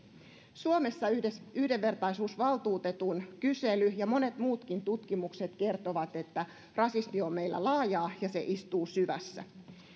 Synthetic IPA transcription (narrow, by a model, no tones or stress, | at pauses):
suome̞sːɑyhde̞ʋːe̞rt̪ɑisuːsʋɑlˠt̪uːt̪et̪unkyselyjɑmo̞ne̞t̪muːt̪kint̪ut̪kimukse̞t̪ke̞rt̪oʋɑt̪e̞t̪ːæ | rɑsismiomːeilːæ̰lɑːjɑːjɑsḛʔist̪uːsyʋæ̰sːæ̰